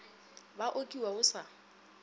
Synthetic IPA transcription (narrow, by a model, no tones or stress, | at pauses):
baʔokʼiwaʊsa